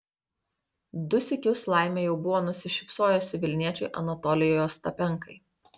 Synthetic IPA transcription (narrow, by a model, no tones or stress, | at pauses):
d̪ʊsʲɪkʲʊslˠɑˑɪmʲeːjɛʊbʊʋɔːnʊsʲɪʃʲɪpsoːjoːsʲɪʋʲɪlʲnʲiɛt͡ʃʲɛɪʔɐ̰nɐt̪ɔːlʲɪjoːjoːst̪ɐpʲɛŋˑkɐɪ